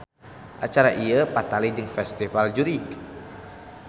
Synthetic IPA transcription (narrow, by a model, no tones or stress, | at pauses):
ʔat͡ʃaɾaʔiəpat̪alid͡ʒɨŋfɛst̪ifald͡ʒuɾik